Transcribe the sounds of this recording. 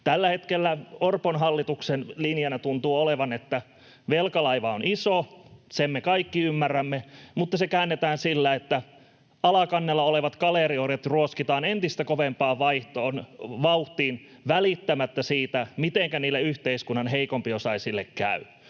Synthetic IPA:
t̪ælːæhet̪kelːæorponɦɑlːit̪uksenlinjɑnæt̪unt̪uːoleʋɑnet̪ːæ | ʋelkɑlɑiʋɑonʔisosemmekɑikːiymːærːæmːemut̪ːɑsekæːnːet̪æːnsilːæet̪ːæ | ɑlɑkɑnːelːɑoleʋɑt̪kɑlerioret̪ruoskit̪ɑːnent̪ist̪ækoʋempɑːʋɑiht̪oːnʋɑuht̪iːn | ʋælit̪ːæmæt̪ːæsiːt̪æmit̪eŋkæniːlːeyht̪eiskunːɑnɦeikompiosɑisilːekkæ̰y

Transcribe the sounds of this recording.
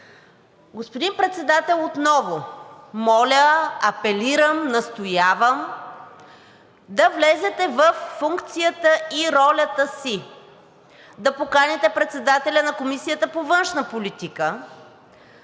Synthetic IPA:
ɡospod̪inpɾɛt̪sɛd̪at̪ɛlˠot̪nɔvomɔlʲəɐpɛliɾəmnɐst̪ojavəm | d̪ɐvlɛzɛt̪ɛvəfːuŋkt̪sijət̪əiɾɔlʲət̪əsi | d̪ɐpokanɛt̪ɛpɾɛt̪sɛd̪at̪ɛlʲənɐkomisijət̪əpovənʃnəpolit̪ikə

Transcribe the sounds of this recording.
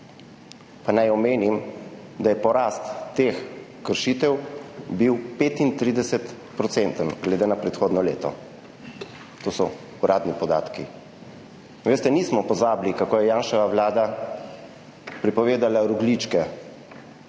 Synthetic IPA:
panajɔmeːnim | d̪ajɛpɔɾaːst̪ːeːxkəɾʃiːt̪ɛwbiwpeːt̪int̪ɾiːd̪ɛsɛt̪ | pɾɔt̪sɛnt̪ənɡlɛd̪enapɾɛt̪xoːd̪nɔlḛːt̪ɔ̰ | t̪oːsɔ | uɾʔaːd̪nipɔd̪aːt̪ki | ʋeːst̪ɛniːsmɔpɔzaːblikakoːjɛjaːnʃɛʋaʋlaːd̪a | pɾipɔʋeːd̪alaɾuɡlit͡ʃkɛ

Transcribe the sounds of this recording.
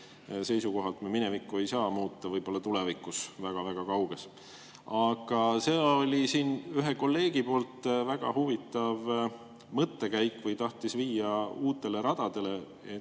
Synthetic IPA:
se̞jsuko̞ɦɑlt̪mɑminevikːˑue̞jsɑːmuːt̪ːɑvɤjb̥o̞lːɑt̪ulevikːˑusvæɡ̥ɑvæɡ̥ɑkɑwɡ̥e̞s | ɑɡ̥ɑseo̞lʲisiːnyɦeko̞lːe̞ːɡipo̞ːlt̪ˑvæɡ̥ɑ̰huvit̪ːˑɑv | mɤt̪ːe̞kæjkːˑvɤjt̪ɑht̪isviːjɑuːt̪ːˑe̞le̞ɾɑd̪̥ɑd̪̥e̞le̞ | e

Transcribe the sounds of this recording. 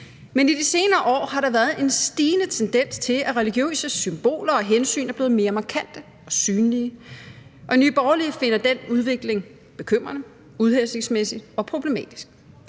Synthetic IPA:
menid̥ise̝ːnɐːʔɒ̰ːhɑ̈ɾɑ̈ʋæːɐð̩ˠe̝nsd̥iːnət͡sʰend̥en̰st͡sʰe̝læʁɛliɡ̥jø̰ːsəsymb̥o̝̰ːlɐɒ̽ɦensy̰ːnæb̥le̝ːð̩ˠme̝ːɐmɑ̈kʰæn̰d̥ə | ɒ̽syːnliə | ʔɒ̽ny̰ːb̥ɒːʊlife̝nɐd̥enuð̞ˠʋe̝ɡ̥le̝ŋ | b̥e̝kʰøm̰ʁɐnə | uð̞ˠhese̝ŋsmesi̥ɒ̽pʰʁo̝b̥le̝mɛ̰ːd̥i̥sɡ̥

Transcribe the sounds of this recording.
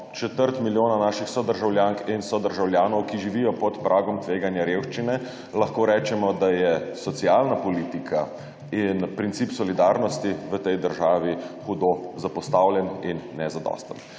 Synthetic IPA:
t͡ʃɛt̪əɾt̪miljoːnanaːʃixsɔd̪əɾʒawljaːŋkinsɔd̪əɾʒawlʲjaːnɔwkiʒiʋijɔpɔt̪pɾʔaːɡɔmt̪ʋeːɡanjaɾjewʃt͡ʃinɛ | laxkoːɾɛːt͡ʃɛmɔd̪ajɛsɔt̪siaːlnapɔliːt̪ikʰa | inpɾint̪sipsɔlid̪aːɾnɔst̪iʋət̪ɛjd̪əɾʒaːʋixud̪ozapɔst̪awljɛninːɛzad̪ɔ̰ːst̪ə̰n

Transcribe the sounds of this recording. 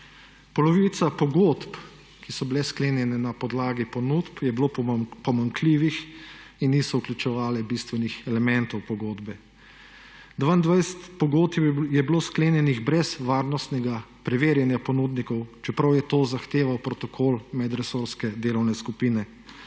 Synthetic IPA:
pɔlɔʋit̪sapɔɡoːt̪p | kisɔbilɛskleːnjɛnɛnapɔd̪laːɡipɔnut̪pjɛbilopɔmaŋkʰliːʋixinːiːsɔuklʲut͡ʃɛʋaːlɛbist̪ʋɛnixɛlɛmɛ̃nt̪ɔwpɔɡoːd̪bɛ | d̪ʋaind̪ʋajsɛt̪pɔɡoːt̪jɛbloːskleːnjɛniɣbɾɛzʋaːɾnɔst̪nɛɡapɾɛʋeːɾjɛnjapɔnuːd̪nikɔwt͡ʃɛpɾawjɛt̪oːzaxt̪eːʋawpɾɔt̪ɔkʰoːlmɛd̪ɾɛsoɾskɛd̪eːlɔwnɛskupiːnɛ

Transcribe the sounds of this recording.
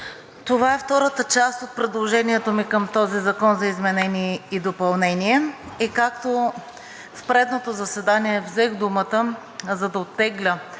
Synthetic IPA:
t̪ovaɛft̪ɔɾət̪ət͡ʃast̪ot̪̚pɾɛd̪lˠoʒɛniɛt̪omikɤmt̪ɔzizɐkɔnzɐizmɛnɛniɛid̪opɐlˠnɛniɛikakt̪o | fpɾɛd̪not̪ozɐsɛd̪aniɛvzɛxd̪umət̪ə | zɐd̪ɐot̪ːɛɡlʲə

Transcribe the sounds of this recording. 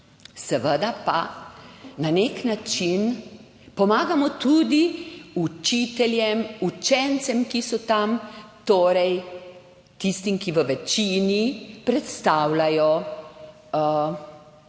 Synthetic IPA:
sɛʋəd̪apa̰ | naneknat͡ʃin | pɔmaːɡamɔt̪ud̪iut͡ʃit̪ɛljɛmut͡ʃɛnt̪sɛmkisɔt̪amt̪oːɾɛj | t̪ist̪imkiʋəʋɛt͡ʃinipɾɛt̪st̪aːwlajɔ

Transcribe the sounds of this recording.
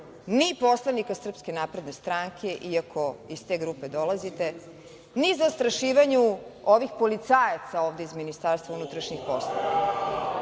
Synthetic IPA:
nipo̞slˠaʋnikasr̩pske̞naːpɾe̞d̪ne̞st̪ɾaŋkʰe̞ʔiakʰoist̪e̞ɡɾupe̞d̪o̞lazit̪e̞ | nizast̪ɾaʃiːʋaɲuoʋixpo̞lit̪saːjat̪sao̞ːʋd̪eizminist̪aɾst̪vʋaunut̪ɾaʃɲixposlˠo̰ʋ̰a̰

